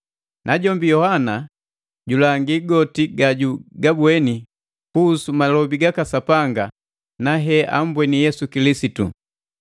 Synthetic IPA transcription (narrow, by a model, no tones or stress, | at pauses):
nʔaɟɔmbijɔhana | ɟulaŋɡiɡɔtiɡaɟuɡabwɛni | kuːsumalɔbiɡakasapaŋɡa | naɦɛʔambwɛnijɛsukilisitṵ